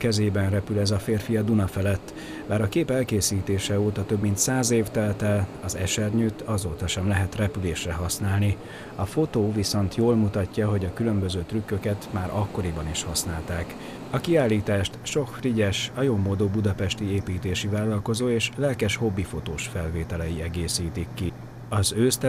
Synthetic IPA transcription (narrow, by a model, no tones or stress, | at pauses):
kɛzeːbɛnrɛpylɛzɒfeːrfijɒd̪unɒfɛlɛt̪ː | baːɾɒkeːpɛlkeːsiːt̪eːʃɛoːt̪ɒt̪øbmint̪saːzeːft̪ɛlt̪ɛlɒzɛ̰ʃɛrɲyt̪ʰɒzoːt̪ɒʃɛmlɛɦɛt̪rɛpyleːʃrɛɦɒsnaːlni | ɒfo̞t̪oːviso̞nt̪ʰjoːlmut̪ɒcːɒɦo̞ɟɒkylø̞mbøzøːt̪rykːø̞kɛt̪maːɾɒkːo̞ɾibɒniʃhɒsnaːlt̪aːk | ɒkiaːlːiːt̪aːʃt̪ʃo̞kfriɟɛʃɒjommːoːd̪oːbud̪ɒpɛʃt̪ieːpiːt̪eːʃivaːlːɒlko̞zoːeːʃlɛlkɛʃhobːifo̞t̪oːʃfɛlveːt̪ɛlɛjiɛɡeːsiːt̪ikːi | ɒzøːst̪ɛ